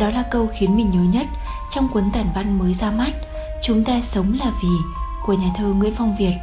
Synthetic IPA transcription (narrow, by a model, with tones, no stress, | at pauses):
ɗɔ˨˦laː˨˩kə˧wxi˨˦ənmï˨˩ŋ̟hɨ˨˦wɲə˦˥t̚ | t͡ɕɔ˧wŋ͡mkwə˨˦nt̪aː˧˩nva˧nməː˨˦jzaː˧ma˦˥t̚ | t͡ɕʊ˨˦ŋ͡mt̪aː˧sə˨˦wŋ͡mlaː˨˩vi˨˩ku˧˩əɲaː˨˩t̪ʰəː˧ŋwḭ˧˥ənfɔ˧wŋ͡mvi˨˩ət̚